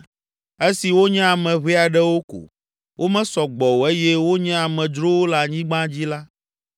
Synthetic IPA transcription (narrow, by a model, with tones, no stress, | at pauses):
e˦si˨wo˦ɲɛ̃˦a˨mɛ̃˨βi˦a˨ɖɛ˦wo˦ko̰˨ | wʔo˦mɛ̃˦sɔ˨ɡ͡bɔ˨wo˨e˦jɛ˦wo˦ɲɛ̃˦a˨mɛ̃˨d͡ʒɾo˦wo˦la˨ɲĩ˦ɡ͡bã˦d͡ʑi˦la˦